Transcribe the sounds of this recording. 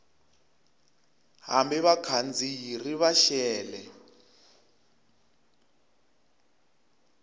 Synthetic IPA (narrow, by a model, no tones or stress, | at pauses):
ɦambɛβakʰand͡zijiriβaʃɛːlɛ